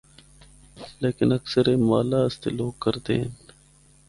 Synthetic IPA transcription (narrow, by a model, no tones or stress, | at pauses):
leːkɪnəksəɾeːmaːlaːst̪ḛːloːɡ̚kəɾd̪ḛːɦn